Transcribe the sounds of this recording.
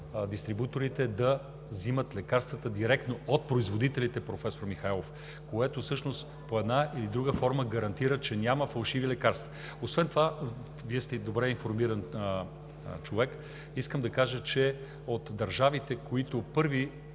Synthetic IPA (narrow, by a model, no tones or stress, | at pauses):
d̪ist̪ɾibut̪oɾit̪ɛd̪ɐ | zimət̪lɛkaɾst̪vət̪əd̪iɾɛk̚t̪noot̪̚pɾoizvod̪it̪ɛlit̪ɛpɾofɛsoɾmixaɛlˠof | koɛt̪osɤʃnost̪ | poɛd̪naʔilid̪ɾuɡəfɔɾməɡɐɾɐnt̪iɾət͡ʃɛnʲaməfɐlˠʃivilɛkaɾst̪və | osvɛnt̪ova | viɛst̪ɛd̪obɾɛinfoɾmiɾɐn | t͡ʃovɛk | iskəmd̪ɐkaʒət͡ʃɛ | ot̪d̪ɐɾʒavit̪ɛkoit̪opɤɾvi